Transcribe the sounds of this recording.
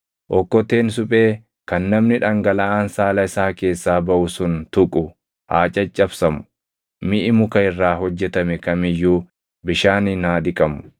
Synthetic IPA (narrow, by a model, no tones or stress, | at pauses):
ʔɔkːɔt̪eːns̬ʊpʼeː | kɐnːɐmnɪᶑɐŋɡɐlɐaːnsaːlɐɪsaːke̞ːsːaːbɐʔʊsʊnt̪ʊkʼʊ | haːt͡ʃʼɐt͡ʃʼːɐbsɐmʊ̥ | mɪʔɪmʊkɐɪrːaːɦɔd͡ʒːɛt̪ɐmɛkɐmɪjːuː | bɪʃaːnɪnaːd̪ɪkʼɐmʊ̥